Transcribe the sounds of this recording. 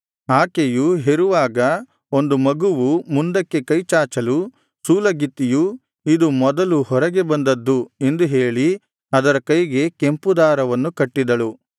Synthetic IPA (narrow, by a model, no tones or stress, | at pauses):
aːkejuɦeɾuʋaːɡɐ | o̞nd̪umɐɡuʋumund̪ɐkːe̞kɐjt͡ʃaːt͡ʃɐlu | suːlɐɡit̪ːiju | id̪umɔd̪ɐluhɔɾɐɡe̞bɐnd̪ɐd̪ːue̞nd̪uɦe̞ːɭi | ɐd̪ɐɾɐkɐjɡe̞ke̞mpud̪aːɾɐʋɐnːukɐʈːid̪ɐɭu